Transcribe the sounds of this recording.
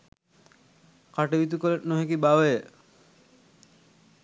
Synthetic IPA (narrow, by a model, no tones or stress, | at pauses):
kaʈebit̪̬ukɔleʈnoɦekibawe